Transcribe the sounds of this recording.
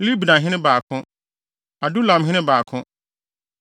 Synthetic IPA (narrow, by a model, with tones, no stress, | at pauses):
li˦bi˨nã˨ɦɪ̃˦nɪ̃˦baː˨kʰʊ̃˦ | a˨du˦lã˨mɦɪ̃˦ɪ̃˦baː˨kʰʊ̃˦